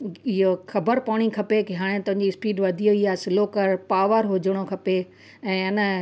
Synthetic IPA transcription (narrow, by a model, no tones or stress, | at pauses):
ɪɦoxɐbəɾpaʋɽ̃ikʰɐpekeɦaːɽ̃ẽt̪ɐ̃ɦɪ̃ɲd͡ʑispiːɖʋɐd̪ʱijoiaːsɪloːkəɾpaːʋəɾɦʊd͡ʑəɽ̃okʰɐpe | ɛ̃ːɪnə̆